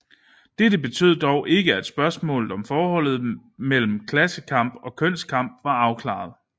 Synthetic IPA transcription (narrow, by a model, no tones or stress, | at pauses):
d̥edəb̥e̝t͡sʰø̰ð̞̰ˠd̥ɒʊʔe̝ɡ̥əæd̥sb̥ɶɐsmɔ̰̽ːlð̩ˠɒ̽mfɒːhɒ̽l̰ð̩ˠ | mel̰m̩kʰlæsəkʰɑ̈m̰b̥ɒ̽kʰøn̰skʰɑ̈m̰b̥̚ʋɑ̈ɑ̈ʊkʰlɑ̰̈ð̩ˠ